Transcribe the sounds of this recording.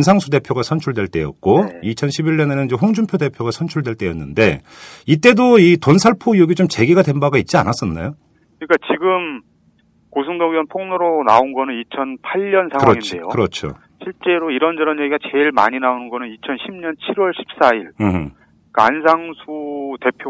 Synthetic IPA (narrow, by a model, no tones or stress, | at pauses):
ns̬ʰaŋsʰude̞pʰjoɡasʰʌnt͡ɕʰuɭdwe̞ɭt͈e̞jʌ̰t̚k͈oit͡ɕʰʌnɕʰibiʎːʌnenɯnid͡ʑeɸoŋd͡ʑumpʰjode̞pʰjoɡasʰʌnt͡ɕʰuɭdwe̞ɭt͈e̞jʌ̰nːɯnde̞ | it͈e̞doitonsʰaɭpʰojoɡit͡ɕomt͡ɕe̞ɡiɡadwe̞nbaɡait̚t͡ɕ͈ia̰nas͈ʌnːa̰jo | kɯɲik͈at͡ɕiɡɯm | kosʰuŋdʌɡiʌnpʰoŋnoɾonaonɡʌnɯnit͡ɕʰʌnpʰaʎːʌnsʰakɯɾŋit͡ɕnejokɯɾʌt͡ɕʰo̰ | ɕʰiɭt͡ɕ͈e̞ɾoiɾʌnd͡ʑʌɾʌnjeɡiɡat͡ɕe̞ɭma̰ɲinaonɯnɡʌnɯnit͡ɕʰʌnɕʰimɲʌnt͡ɕʰiɾwʌɭɕʰi̥p̚s͈aiɭɯɦɯ | kans̬ʰaŋsʰute̞pʰjo